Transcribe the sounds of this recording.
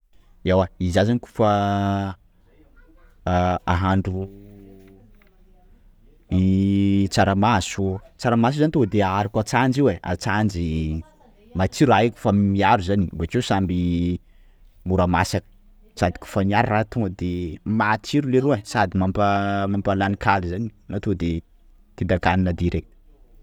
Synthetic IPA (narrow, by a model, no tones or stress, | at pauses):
ewaizazaniku̥fa | aɦaɳɖ͡ʐu | it͡saɾamasut͡saɾamas̬uzant̪od̪eaɾakat͡sand͡ʒiwea̰t͡sand͡ʒi | mat͡siɾaikʲu̥fammiaɾuzanibakesambi | muɾamasak | sad̪i̥kʲu̥faniaɾrat̪ud̪emat͡siɾuleɾuesad̪imampamampalanikʰalizaninat̪od̪e | t̪ind̪akaninəd̪iɾe